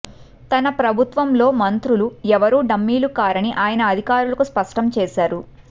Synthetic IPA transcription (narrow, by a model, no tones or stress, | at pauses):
t̪ɐnɐpɾɐbʱut̪ʋɐmlo̞ːmɐnt̪ɾuluɛʋɐɾuːɖɐmːiːlukaːɾɐniʔaːjɐnɐːd̪ʱikaːɾulɐkuspɐʂʈɐmt͡ʃɛːʃaːɾu